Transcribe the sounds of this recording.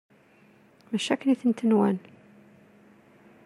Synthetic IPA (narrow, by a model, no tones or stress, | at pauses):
mæʃækːniθənt̪ənwæn